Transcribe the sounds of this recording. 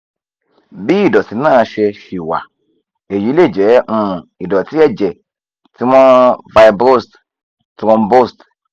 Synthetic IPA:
bi˦i˦˨dɔ˨ti˨˦nã˦˨ʃɛ˧ʃi˨wa̰˨ | e˨ji˨˦le˦˨d͡ʒɛ˨˦ʔũ˦˧˨i˨dɔ˨ti˦ɛ˦˨d͡ʒɛ˨ | ti˦mɔ̃˦va˧i˧bɾo˦st | tɾɔ̃˧mbo˦st

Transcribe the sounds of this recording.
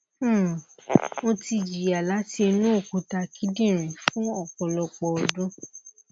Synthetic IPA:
wo˧ti˧d͡ʒi˨a˨la˨˦te˧nũ˦o˦˨ku˨ta˧ki˦dĩ˦˨ɾ̃ĩ˨fũ˦ɔ˦˨k͡pɔ˨lɔ˧k͡pɔ˧ɔ˧dũ˦

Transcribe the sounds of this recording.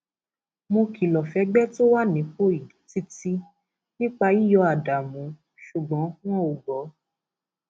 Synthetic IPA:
mõ˧ki˨lɔ˨fɛ˨˧˦ɡ͡bɛ˦to˦wa˦˨nĩ˨˦k͡po˦i˨i˨˦ti˦ti˦ | nĩ˦k͡pa˧i˦jɔ˧a˨da˨mũ˨˦ | ʃu˨ɡ͡bɔ̃˨˦kũ˦ɔ̃˦o˨ɡɔ˨˦

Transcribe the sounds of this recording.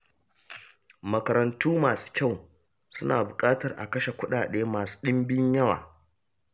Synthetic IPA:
mɐ˨kɐ˨ɾɐ˨ntuː˦maː˨su̥˦kʲa˦˨w | sʊ˦na̰ː˨bʊ˨kʼaː˦tɐ˨rʔa̰˨kɐ˦ʃe˨kʷʊ˦ɗaː˨ɗeː˦maː˨su̥˦ɗɪ˦mbɪ˦ɲjɐ˦wa̰ː˨

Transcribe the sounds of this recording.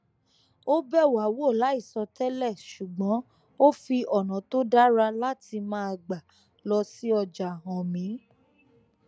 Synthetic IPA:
o˦bɛ˦˨wa˨wo˦˨la˨˦i˦˨sɔ˧tɛ˦lɛ˦˨ʃu˨ɡ͡bɔ̃˨˦ | o˦fi˧ɔ˨nɔ̃˨to˦da˦ɾa˧la˦ti˧mãː˦a˧ɡ͡ba˨ | lɔ˧si˦ɔ˧d͡ʒa˨ɦɔ̃˨mĩ˨˦

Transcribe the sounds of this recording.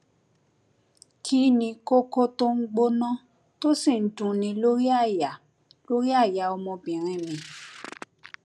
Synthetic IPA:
kʰi˦nĩ˧ko˦ko˦to˦ŋ̩˦ɡ͡bo˦nã˦ | to˦si˦˨n̩˨dũ˨nĩ˧˦lo˦ɾi˦a˦˨ja˨ | lo˦ɾi˦a˦˨ja˨˦ɔ˧mɔ̃˧bĩ˨ɾ̃ĩ˨˧mĩ˧

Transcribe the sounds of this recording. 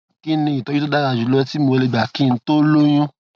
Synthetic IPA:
ki˦nĩ˧jĩ˨tɔ˨˦ji˦o˦da˦ɾa˧˨d͡ʒu˨˦lo˦ɛ˦ti˦mo˧le˧˨ɡ͡ba˨kĩ˦˧˦to˦lo˦j̃ũ˦

